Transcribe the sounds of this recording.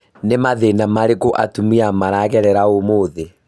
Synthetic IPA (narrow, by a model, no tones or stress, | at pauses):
nemaðenamaɾeɣoʔa̰tumiamaɾaɣɛɾɛɾaomoːðe